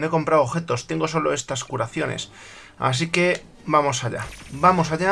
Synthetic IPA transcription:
eko̞mpɾawoβxe̞t̪o̞st̪eŋɡo̞s̬o̞lo̞e̞st̪askuɾaθjo̞ne̞̰s | a̰s̬ike̞ | bamo̞saʎa̰bamo̞s̬aʎa

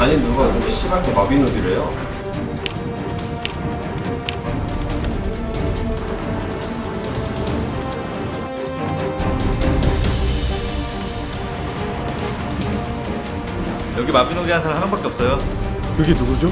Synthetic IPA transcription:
aɲimnuɡaupʰiɕ͈imaɭk͈ʰemabinoɡiɾejo | jʌɡimabinoɡiansʰaɭɦanʌnbʌk͈eʌp̚s͈ʌjo | kɯɡenuɡud͡ʑo

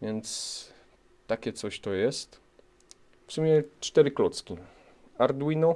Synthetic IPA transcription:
vʲjɛnt̪s | t̪akʲɛt̪sɔɕt̪ɔjɛst̪ | fsumʲjɛt͡ʂt̪ɛɾɘklɔt̪skʲi | aɾd̪winɔ

